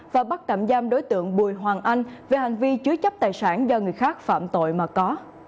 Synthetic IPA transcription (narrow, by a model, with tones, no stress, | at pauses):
vaː˨˩ɓa˦˥t̚t͡ɕa̰˧˨mzaː˧mɗo˨˦jt̪ɨ̰˧˨əŋɓu˨˩əjɦwaː˨˩ŋʔa˧jŋ̟ve˨˩ha˨˩jŋ̟vi˧t͡ɕɨ˨˦ət͡ɕə˦˥p̚t̪aː˨˩jsaː˧˩nzɔ˧ŋɨ˨˩əjxaː˦˥k̚fa̰ː˧˨mt̪o̰˧˨jmaː˨˩kɔ˨˦